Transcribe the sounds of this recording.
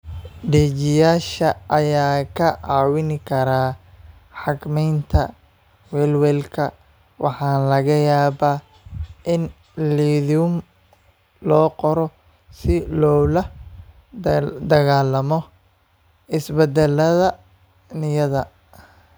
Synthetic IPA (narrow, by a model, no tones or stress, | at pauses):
ɖiːt͡ʃɪjaːʃɐʔɐjaːkʰɐʔɑːwɪnɪkʰɐɾaː | ħɑɡmɛjnt̪ʰɐ̰ | wɛːlwɛːlkʰɐ | wʔɑ̰ħɑːlɐɣɐjaːβaː | ʔɪn | liːðuːm | lɔːqɔɾɔ | sɪlɔlɐ | d̪ɐɣaːlɐmɔ | ɪsbɛd̪ɛlːɐðɐ | nɪjɐðɐ